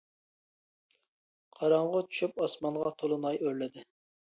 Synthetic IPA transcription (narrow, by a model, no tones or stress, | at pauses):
qʰɑɾɑɴʁʊt͡ʃʰy̥ʃyp̚ɑsmɑnʁɑt̪ʰolˠɨnɑjøɾlɪd̪ɪ